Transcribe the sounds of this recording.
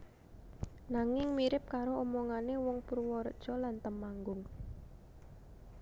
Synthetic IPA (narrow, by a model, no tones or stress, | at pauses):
naŋɪŋmiɾɪp̚kaɾoʔomɔŋanewɔŋpuɾwɔɾd̥ʒ̥ɔ̤lant̪əmaŋɡʊŋ